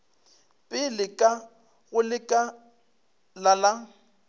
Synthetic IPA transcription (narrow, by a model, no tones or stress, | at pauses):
pʼɪlɪkʼa | ɣʊlɪkʼa | lala